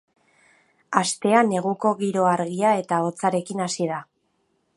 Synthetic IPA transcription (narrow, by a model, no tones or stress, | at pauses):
ast̪e̞ane̞ɣ̞uko̞ɣiɾo̞aɾɣiae̞t̪ao̞t͡saɾe̞kinasiða